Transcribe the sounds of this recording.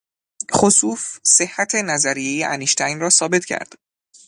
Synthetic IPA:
χosuːfse̞hːæt̪ʰe̞næzæɾije̞jeʔæniʃt̪ʰæjnrɒːsɒːbe̞t̪ʰcʰæ̰ɾd̪̥

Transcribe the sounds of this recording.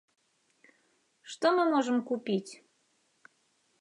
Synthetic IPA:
ʃt̪omɨmoʒəmkupʲitʲ

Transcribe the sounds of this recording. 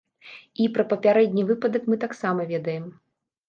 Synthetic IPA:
ipɾɐpɐpʲaɾɛd̪ʲnʲivɨpɐd̪ɐkmɨt̪aksamɐvʲɛd̪ɐjɛm

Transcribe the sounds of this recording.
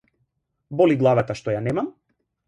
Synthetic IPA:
bɔliɡlˠavat̪aʃt̪ɔjanɛmam

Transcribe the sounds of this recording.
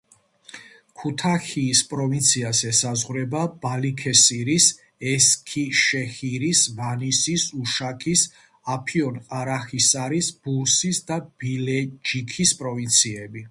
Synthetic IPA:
kʰut̪ʰaχiːspʼɾɔvint̪sʰiazɛsazʁɾɛbab̥alikʰɛsiɾis | ɛskʰiʃɛχiɾisvanisisuʃakʰis | apʰiɔnqʼaɾaχisaɾisb̥ulˠsisd̪ab̥ilɛd͡ʒikʰispʼɾɔvint̪sʰiɛbi

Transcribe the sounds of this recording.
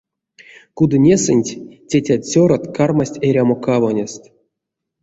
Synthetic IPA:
kud̪ɨnʲesɨnʲtʲtʲetʲat̪ʲsʲoɾat̪karmasʲtʲeɾʲamokavonʲest̪

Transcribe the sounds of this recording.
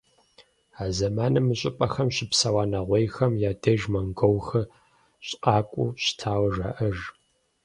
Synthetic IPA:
aːzɐmaːnɐmɨɕʼɪpʼɐxɐmɕɪpsɐwaːnɐʁʷejxɐmjaːdeʒmɐŋɡowxɨ | ɕʼqʼɑːkʷʼṵɕtʰaːwɐʒa̰ʔɐʒ

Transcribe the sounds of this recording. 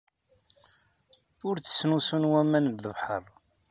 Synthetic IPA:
ʊɾt͡sːə̥sːnusunwæmænðəvħə̰ɾˤ

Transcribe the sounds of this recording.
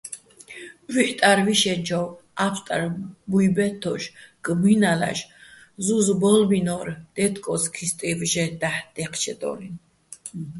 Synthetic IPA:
wiħt̪ʼaɾviʃɛnd͡ʒʰɔwapʰt̪ʼaɾbujbɛt̪ʰːɔʃɡʼminala̰ʃ | zuzbɔlbinɔɾd̪̥ɛt̪ʰkʼɔskʰist̪ʼivʒɛd̪aħd̪̥ɛqʰt͡ʃʰɛd̪ɔ̰lin

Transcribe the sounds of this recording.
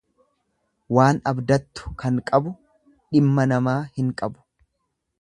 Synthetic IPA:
waːnɐbd̪ɐt̪ːʊ̥kɐŋkʼɐbʊ | ᶑɪmːɐnɐmaːhɪŋkʼɐbʊ̥

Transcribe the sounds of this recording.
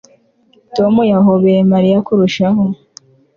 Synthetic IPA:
tomujaɦoβeɾemaɾijakuɾuʃaho

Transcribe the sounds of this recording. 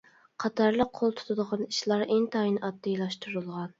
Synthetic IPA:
qʰɑt̪ʰɑɾlˠəqʰːolˠt̪ʰu̥t̪ʰɨd̪əʁɑniʃlˠɑɾeŋt̪ʰɑinɑp̪̚d̪ɨlˠɑʃt̪uɾɨlˠʁɑn

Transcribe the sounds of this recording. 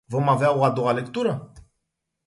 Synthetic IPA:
vo̞maveaoad̪o̞ale̞kt̪uɾə

